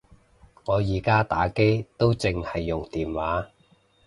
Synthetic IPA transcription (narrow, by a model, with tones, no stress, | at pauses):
ŋɔː˨˧jiː˨˩kaː˥t̪a̰ː˨˥ke˥jt̪o˥wt͡sɪ˨˧ŋhɐ˨jːʊ˨ŋt̪iː˨˩nwaː˨˥